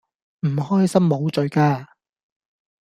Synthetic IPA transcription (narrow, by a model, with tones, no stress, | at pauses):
m̩˨˩ɦɔː˥jsɐ˥mːo˨˧wt͡sɵ˨˧ɥkaː˧